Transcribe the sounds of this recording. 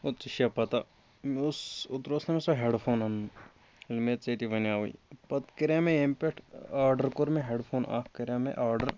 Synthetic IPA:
ot̪t͡ʃiʃapɐt̪a | mʊsʊt̪ɾoːsnɐmesoɦeɖpʰoːnɐnu | ɪlmeːt̪t͡set̪iʋɐnjaːuḭpɐt̪kɐɾaːmẽempeʈʰaːɾɖəɾkoɾmẽɦeːɖpʰoːna̰ːkʰkɐɾjamḛ̃ʔaːɾɖəɾ

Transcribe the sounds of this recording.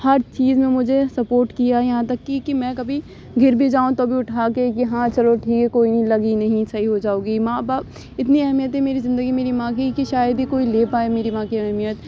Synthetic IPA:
hɐɾt͡ʃiːzmẽmʊd͡ʒʱesɐpoːɾʈkijajɐɦãt̪ɐkːikimɛ̃ːkɐbʱi | ɡʱɪɾbʱid͡ʒaːũt̪obʱiʊʈʰaːkekiɦãːt͡ʃɐloʈʰiːkɛkoːinɐɦĩlɐɡinɐɦĩsɐɦiɦod͡ʒaːõːɡimãːbaːp | ɪt̪niɛɦmijət̪ɦɛmeːɾizɪ̃nd̪əɡimeːɾimãːk̬ikiʃaːjəd̪ikoːileːpaːemeːɾimãːkiɛɦmijət̪

